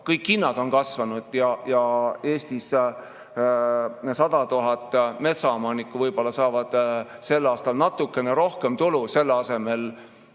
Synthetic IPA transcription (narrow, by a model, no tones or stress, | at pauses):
kɤjkːinːɑd̪̥o̞nkɑsvɑnud̪̥jɑjɑe̞ːsʲt̪is | sɑd̪̥ɑt̪uɦɑt̪ːˑme̞t̪sɑomɑːnikˑːuvɤjb̥o̞lːɑsɑːvɑd̪̥se̞lːɑːst̪ɑlnɑt̪ːˑukːˑe̞neɾo̞hke̞mt̪uluse̞lːɑse̞me̞l